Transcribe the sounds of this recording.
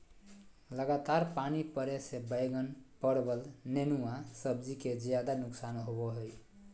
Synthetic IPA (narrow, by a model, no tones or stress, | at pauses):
ləɡat̪aɾpanipəɾesebəjɡənpəɽbəlnenuasəbd͡ʒiked͡ʒjad̪anʊksanɦobɔɦoj